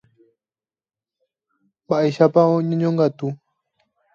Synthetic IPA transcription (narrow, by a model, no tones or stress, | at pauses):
baʔiʃapaoɲoɲoŋɡat̪u